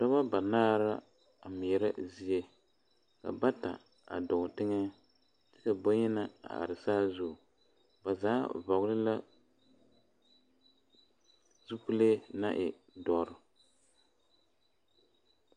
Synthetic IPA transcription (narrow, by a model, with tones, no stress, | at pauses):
tɔ˦βa˦ba˨naː˦ɾa˦ | a˨mi˨ɛ˨ɾa˦zi˦je˦ | ka̰˨ba˦ta̰˨ | a̰˨dɔ˨tɨ˦ŋɛ˦ | tɨ̥˦ka˨bo˦ɲɛ˦na˨a̰˨a̰˨ɾɨ˨saː˦zʊ˦˨ | ba˨zaː˦va˨ɡʊ˦lɨ˦la˦ | zu˦pu˦le˦na˦ʔɪ̰˨ | dɔ˨ɾɨ˦